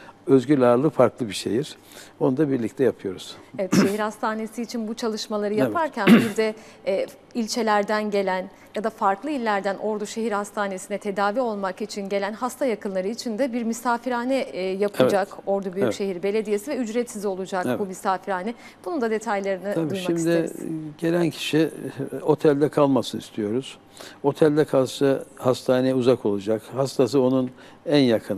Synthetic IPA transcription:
øzɟylʲaɾlˠɯfaɾklˠɯbiʃḛjiɾ̥ | bonund̪abiɾlʲict̪ʰɛjapʰɯjo̞ɾuz̥evɛt̪ʃeɦiɾhast̪ʰaːne̞siːt͡ʃʰinbut͡ʃʰalˠɯʃmalˠaɾɯjapʰaɾcʰænbiɾd̪ɛː | ilʲt͡ʃʰe̞lʲæɾd̪ænɟe̞lʲæn | jad̪afaɾklˠɯilʲːæɾd̪ænʔo̞ɾd̪uʃe̞ɦiɾhast̪ʰaːne̞sinɛt̪ʰe̞d̪aːvio̞lˠmakit͡ʃʰinɟe̞lʲænɦast̪ʰajakʰɯnlˠaɾɯit͡ʃʰind̪ɛbiɾmysaːfiɾaːnɛjapʰɯd͡ʒako̞ɾd̪ubyyʃe̞ɦiɾbe̞lʲe̞d̪ije̞sivɛyd͡ʒɾɛt̪sizo̞lˠud͡ʒakbumysaːfiɾaːnɛ | b̥unund̪ad̪e̞t̪ʰajlˠaɾɯnɯab̪ujmʃmaimisd̪ɪeɟe̞lʲæncʰi̥ʃio̞t̪ʰælʲd̪ɛkʰalˠmasɯnist̪ʰijo̞ɾuz̥ | o̞t̪ʰælʲd̪ɛkʰalˠʃɯhast̪ʰaːnejɛuzakʰo̞lˠud͡ʒakhast̪ʰas̬ɯo̞nun | ænjakʰɯn

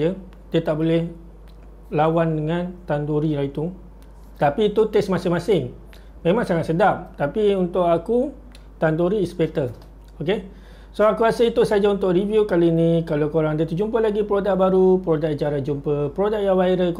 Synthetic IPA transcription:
ə | diət̪aʔbolɛh | lawandəŋãnt̪ant̪uɾiɾait̪u | t̪apiːt̪ut̪ɛsmãsɪŋmasɪŋ | mẽmãŋsaŋat̪̚sədap̚t̪apiunt̪ʊʔaku | t̪ant̪oɾiːspet̪ə | oke | soakuasəlit̪usad͡ʒaunt̪ʊʔrivjukaliːnĩkalakoɾaŋdat̪ud͡ʒumpəlaɡipɾodak̚baɾupɾodakd͡ʒaɾahd͡ʒumpəpɾodak̚jawajɾək

